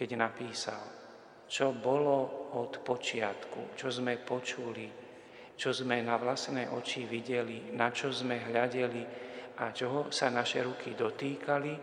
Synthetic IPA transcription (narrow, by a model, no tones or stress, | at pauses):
kɛɟnapiːsa̰l | t͡ʃɔbɔlɔɔt̪pɔt͡ʃɪat̪kṵt͡ʃɔzmɛpɔt͡ʃuli | t͡ʃɔzmɛnaʋlasnɛjʔɔt͡ʃiʋiɟɛlinat͡ʃɔzmɛɦʎaɟɛliat͡ʃɔɦɔsanaʃɛɾukʰid̪ɔt̪iːkali